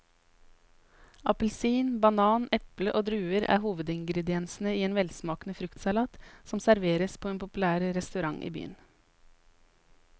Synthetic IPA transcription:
ɑpəl̩siːnbɑnɑːnɛpləʔoːd̪ɾʉːəɾæ̰ːhuːʋəd̪ɪŋɡɾɛd̪ɪɛnsn̩əiːeːnʋɛlsmɑːknəfɾʉkt̪sɑlɑːt̪sɔmsæɾʋeːɾəspʰoːeːnpʰʊpʉlæːɾɾɛst̪ʉɾɑŋʔḭːby̰ːə̰n

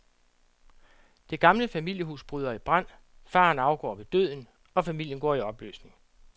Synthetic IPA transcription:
d̥e̝ɡ̥ɑ̈mləfæmil̰jəɦuːsb̥ʁyðˠɐib̥ʁɑn̰ | fɑ̰̈ːnɑ̈ʊɡ̥ɒ̰ːʋe̝d̥øð̰ˠn̩ | ɒ̽fæmil̰jənɡ̥ɒ̰ːiɒ̽b̥lø̰ːsne̝ŋ

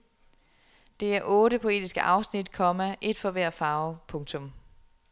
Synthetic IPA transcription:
d̥e̝æɐʔɔ̽ːɾəpʰo̝e̝̰ːd̥isɡ̥əʔɑ̈ʊsnid̥kʰɒ̽mæʔe̝d̥fɒ̽ʋæɐ̰fɑ̈ːʊpʰɔ̽ŋt͡sʰɔ̽m

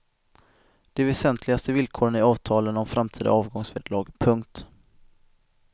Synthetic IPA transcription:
d̪̥ɛvɛsɛnt̪ʰlɪɡast̪əvɪlkʰoːɾənɪɑːvt̪ʰɑːlənɔmfɾamt̪ʰiːd̪a̰ɑːvɡɔŋsvɛd̪lɑːɡpʰɵŋk̚t̪

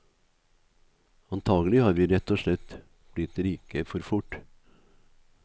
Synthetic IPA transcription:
ɑnt̪ʰɑːɡəlɪhɑːɾʋiːɾɛt̪ːɔʂɭɛt̪ː | b̥lɪt̪ːliːkəfɔɾfʊʈ

